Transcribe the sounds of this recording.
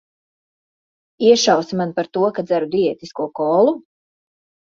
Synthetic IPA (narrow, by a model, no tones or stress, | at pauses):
iɛʃawsimanpaɾt̪uɔkad̪zæɾud̪iɛt̪iskuɔkɔːlˠu